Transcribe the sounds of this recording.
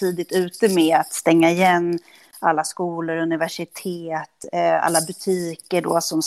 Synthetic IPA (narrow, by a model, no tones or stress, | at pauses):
iːd̪ɪt̪ʉ̟ːt̪əmeːat̪st̪ɛŋːaɪjɛnː | alːaskuːlʊɾɵnɪvæʂɪt̪ʰeːt̪a̰lːabɵt̪ʰiːkəɖo̰ːsɔm